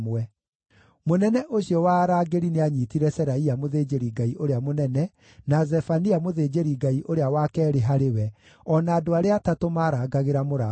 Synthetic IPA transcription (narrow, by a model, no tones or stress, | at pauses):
mɛ | monɛnɛʔoɕiɔwaːɾaːɡeɾineaɲitiɾɛsɛɾaiamoðeːd͡ʒeɾiɡaiʔoɾeamonɛnɛ | nazɛfaniamoðeːd͡ʑeɾiɡaiʔoɾeawakɛːɾeɦaɾewɛ | ɔnaːdoaɾeatatomaːɾaːɡaɣeɾamoɾa